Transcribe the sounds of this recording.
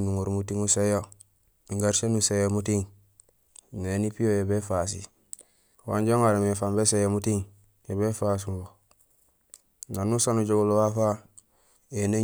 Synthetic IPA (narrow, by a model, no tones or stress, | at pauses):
nuŋoɾmutiŋusejo | miŋɡaɾsenusejomutiŋ | nenipijojebefas̬ḭ | wa̰ɲɟoŋaɾemefambesejomutiŋ | jeβefas̬umbo | nanusanuɟoɡolowafa | ene